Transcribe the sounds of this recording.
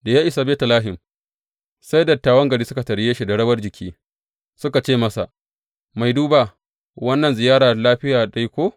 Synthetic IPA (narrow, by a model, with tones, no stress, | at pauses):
da˨jaː˦ʔɪ˦sa˨beː˦ta˨laː˦ɦɪ˨m | sa˦jdɐ˨tːaː˦wɐ˦ŋɡɐ˨ɽiː˦sʊ˦ka˨tɐ˨ɽjeː˦ʃi˦˨dɐ˨ɽɐ˦bɐ˦rd͡ʒɪ˨kʲʰiː˦ | sʊ˦ka˨t͡ʃeː˦˨mɐ˦sa˨ | ma˨jduː˦ba˨ | wɐ˦nːɐ˨nzɪ˨jaː˦ɽaː˨a˨laː˦ɸɪ˦jaː˨ɗa˦ji˦kʷoː˦